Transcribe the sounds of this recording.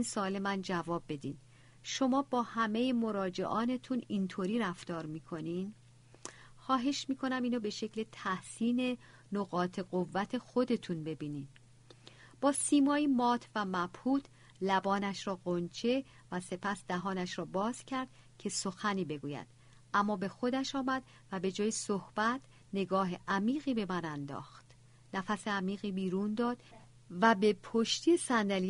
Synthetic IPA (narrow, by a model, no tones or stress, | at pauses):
insoːle̞mænd͡ʒævɒːbːe̞d̪iːn | ʃo̞mɒːbɒːhæme̞jemo̞ɾɒːd͡ʒe̞̰ʔɒːne̞t̪ʰunint̪ʰoɾiːɾæft̪ɒːɾmiːkʰo̞nin | xɒːɦe̞ʃmiːkʰo̞næmiːnobe̞ʃe̞cʰle̞t̪ʰæhsiːne̞ | noɣɒːt̪ʰe̞ɢovːæt̪ʰe̞xo̞d̪e̞t̪ʰunbe̞biːnid̪ | b̥ɒːsiːmɒːjimɒːt̪ʰvæmæb̥huːt̪ʰ | læbɒːnæʃɾɒːɣont͡ʃʰe̞ | væse̞pʰæsd̪æɦɒːnæʃɾɒːbɒːz̥cʰæɾd̪̥ | cʰe̞soxæniːbe̞ɡuːjæ̰d̪̥ | æmːɒːbe̞xo̞d̪æʃɒːmæd̪ | væbe̞d͡ʒɒːjesohb̥æt̪ʰ | ne̞ɡɒːɦeʔæmiːɣiːbe̞mænænd̪ɒ̰ːxt̪ | næfæseæmiːɣiːbiːɾund̪ɒːd̪̥ | væbe̞pʰoʃt̪ʰiesænd̪æli